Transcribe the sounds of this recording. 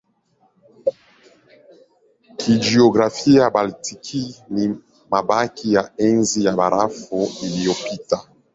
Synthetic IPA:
kʰid͡ʒioɡʁafijabaltʰikʰili | mabakijaɛnzijabaɾafoeliopita

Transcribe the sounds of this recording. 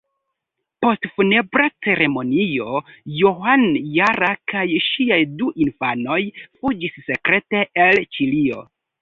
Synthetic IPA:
po̞stfune̞bɾat͡se̞ɾe̞mo̞nio̞johanjaɾakajʃiajduʔinfano̞jfud͡ʒisːe̞kɾe̞te̞ʔelt͡ʃilio̞̰

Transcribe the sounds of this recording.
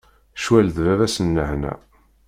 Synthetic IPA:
ʃwælðvævæsənːəʕnæ̰

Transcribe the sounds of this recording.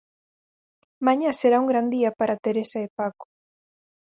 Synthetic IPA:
maɲaseɾauŋɡɾand̪iapaɾat̪eɾesaepako̥

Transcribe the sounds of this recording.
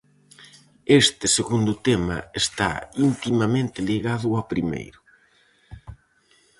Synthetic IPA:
est̪ɪseɣund̪ʊt̪ɛmɐ̰est̪a̰int̪imamẽnt̪ɪliɣaðʊawpɾimḛjɾʊ

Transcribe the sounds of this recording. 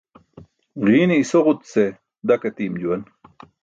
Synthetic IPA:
ʁiːneisoʁut̪se | d̪ɐkɐt̪iːmd͡ʑuwɐn

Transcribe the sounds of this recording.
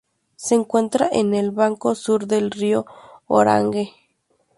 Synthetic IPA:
seːŋkwent̪ɾaʔenelβaŋkosuɾd̪elrioo̰ɾa̰ŋɡe

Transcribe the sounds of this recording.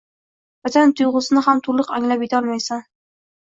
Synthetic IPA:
vat̪ʰant̪ʰʊjʁʊsɪnɪɦamt̪ʰʊɾlˠɨqaŋlapjet̪ʰaɒlˠmajsan

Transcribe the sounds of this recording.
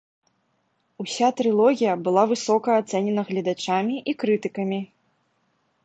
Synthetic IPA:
usʲat̪ɾɨlˠɔɣʲijɐbɨlˠavɨsɔkɐːt̪sɛnʲɛnɐɣlʲɐd̪at͡ʂamʲiʔikɾɨt̪ɨkɐmʲi

